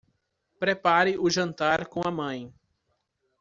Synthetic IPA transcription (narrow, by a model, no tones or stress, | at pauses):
pɾepaɾɪʔʊʒɐ̃nt̪aɾkõw̃ɐmɐ̃j̃